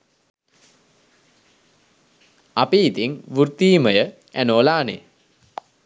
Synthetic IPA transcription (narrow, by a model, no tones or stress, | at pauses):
apeit̪iŋʋurt̪iːməjə | ænoːlaːnḛ